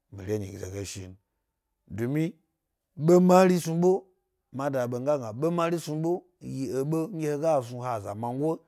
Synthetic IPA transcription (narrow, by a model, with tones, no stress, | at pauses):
mḭ˨ɾʲe˦ɲḭ˨ɡzḛ˨ɡe˨ʃḭ˨n | du˨mi˦ | ɓo˦ma˦ɾi˦su˧ɓo˦ | ma˨da˨ɓo˨ŋ˦ɡa˦ŋɡa˨ɓo˦ma˦ɾi˦su˧ɓo˦ | ji˨e˨ɓo˦ŋʲ˦e˦he˦ɡa˦˨s̬u˧ha˨za̰˨ma˨ŋ˦ɡʷo˦